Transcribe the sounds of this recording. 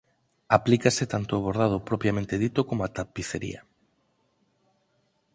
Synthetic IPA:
aplikaset̪ant̪oaβoɾð̞að̞opɾopɾjamẽnt̪eðit̪okomoat̪apiθeɾḭa

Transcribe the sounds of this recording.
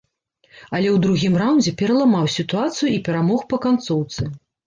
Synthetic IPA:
ɐlʲɛwd̪ɾuɣʲimrawnd͡zʲɛpʲɛɾɐlˠamawsʲit̪uat̪sɨjuipʲɛɾamɔxpɐkant̪sɔwt̪sɨ

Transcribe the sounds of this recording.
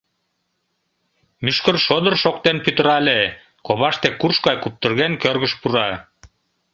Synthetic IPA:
myʃkərʃod̪ə̆rʃok̚t̪enpyt̪ə̆ɾɑlʲe | koβɑʃt̪ekurʃkɑjkup̚t̪ə̆rɣenkørɣə̆ʃpuɾɑ

